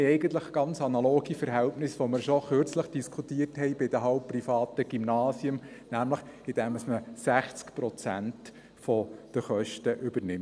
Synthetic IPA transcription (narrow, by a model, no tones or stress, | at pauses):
ɛɪɡənt̪ləχɡ̥ɑnt͡sɑnɑloːɡ̥ifəɾɦɛltnɪsʋoməɾʃɔχøɾt͡sləχd̥iskʰutiːərthɛɪbɪd̥̪əɦɑʊp̚pːrifɑːtəɡ̥imnɑːsjʊmnæmləχ | ɪd̥ɛməsməsæχt͡skpɾɔt͡sæ̰nt | fɔd̥əχœʃtəʔʏbəɾnɪm